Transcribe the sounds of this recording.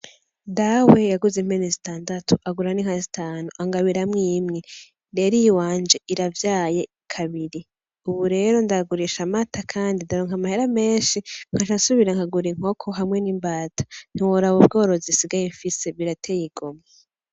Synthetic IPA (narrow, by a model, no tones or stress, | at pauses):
dawe̞jaɡuzem̥enizitaːndatʰu̥ʔaɡuɾaniŋhazitʰaːnuʔaŋɡaβiɾamŋiːmŋe̞ | ɾe̞ːɾijwaːnd͡ʒe̞ʔiɾavjaːje̞ | kʰaβiɾi | uβuɾe̞ːɾo̞ndaɡuɾiʃamatʰakʰaːndindaɾoːŋamaheɾame̞ːnʃiŋ̥haʃasuβiɾaŋhaɡuɾiŋ̥o̞kʰo̞ɦamŋe̞niːmbaːtḁn̥iwoɾaβob̚ɡo̞ːɾo̞zisiɡajeɱfise̞βiɾatʰejiɡoma